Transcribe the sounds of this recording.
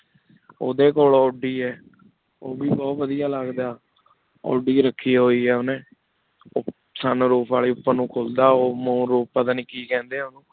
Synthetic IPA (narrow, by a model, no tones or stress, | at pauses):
oːd̪eːkoːlɔːɖiːɛː | oːbiːbɔːt̪ʋəd̪ijaːləɡd̪aː | ɔ̰ːɖiːɾəkʰːiːɦoːiːɛːʊnẽː | saːnːɾuːpʰaːliːʊpːãnũːkʰoːld̪aːoːməũːɾuːp̚pət̪əniːkiːkɛ̃ːnd̪eːʊnũː